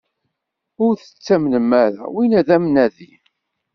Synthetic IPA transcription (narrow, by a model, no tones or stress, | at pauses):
ʊɾθə̥t͡sːæmnəmːæɾæ̰winæðæmnæði